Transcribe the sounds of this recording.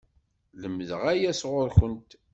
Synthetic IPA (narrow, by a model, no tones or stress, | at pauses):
ləmːəðəʁæjæsʁʊɾçənt̪